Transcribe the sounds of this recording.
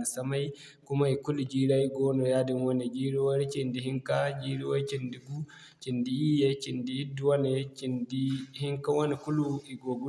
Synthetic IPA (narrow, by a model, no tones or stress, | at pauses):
nisamaj | kumaikulud͡ʒiːɾaiɡɔnɔjadimwɔnɛd͡ʒiːɾiwaɾit͡ʃindiɦiŋkad͡ʒiɾiwaɾit͡ʃindiɡu | t͡ʃindijiːjɛt͡ʃindijidːuwanɛt͡ʃindihiŋkawɔnikuluiɡɔɡu